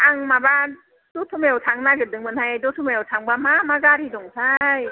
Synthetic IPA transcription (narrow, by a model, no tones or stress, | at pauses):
aŋmaba | dɔtʰumajawtʰaŋnaɡɯdɯŋmɯnhajdɔtʰumajawtʰaŋbamamaɡaɾidɔŋtʰaj